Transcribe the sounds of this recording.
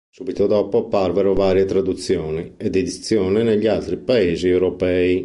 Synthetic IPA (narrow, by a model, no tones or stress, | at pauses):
subit̪od̪ɔːpoapːaɾvɛɾovaːɾjet̪ɾad̪ut̪sːjɔːniɛd̪ːed̪it̪sːjɔːnɛneʎːialt̪ɾipaeːziɛwɾopɛːi